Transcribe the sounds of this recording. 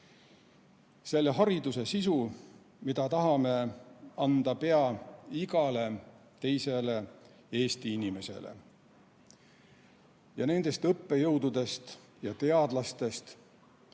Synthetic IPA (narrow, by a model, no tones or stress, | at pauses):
se̞lːeɦɑɾid̪use̞sisu | mid̪ɑt̪ɑɦɑme̞ɑnd̪̥ɑpe̞ɑiɡ̥ɑle̞ | t̪e̞jse̞le̞ | e̞ːst̪iinime̞se̞̰lḛ | jɑne̞nd̪̥e̞st̪ɤpːejɤwd̪ud̪e̞st̪ | jɑt̪e̞ɑd̪̥lɑst̪e̞st̪